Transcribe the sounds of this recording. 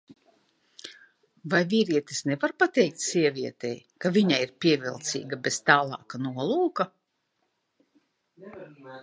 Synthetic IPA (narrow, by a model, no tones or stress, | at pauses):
vajvʲiːɾiɛt̪e̥snevaɾpat̪ɛjk̚t̪ʲsiɛvʲiɛt̪ɛ̰jkavʲiɲaiɾpʲiɛvilˠt̪sḭːɡabez̥t̪aːlˠɑ̰ːkanuɔlˠuːka